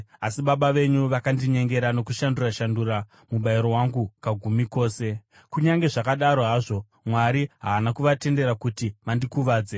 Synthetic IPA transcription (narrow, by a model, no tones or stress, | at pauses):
asiɓaɓaʋe̞ɲuʋakandiɲe̞ŋɡe̞ɾano̞kuʃanduraʃanduɾa | muɓaiɾo̞waŋɡukaɡʱumiko̞ːse̞ | kuɲaŋɡe̞ʐakaɗaɾo̞ɦaʐo̞ | mwaɾiɦaːnakuʋate̞nde̞ɾakutimandikuʋaːd͡ze